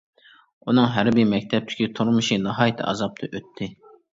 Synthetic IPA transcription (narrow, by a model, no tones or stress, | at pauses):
unɨŋɦæɾbɪmɛkʲt̪ʰɛp̚t̪ʰɪ̥kʲit̪ʰuɾmɨʃinɨɦɑːjit̪ʰɨ̰ʔɑ̰zɑp̚t̪ʰɨʔøt̪ʰːɪ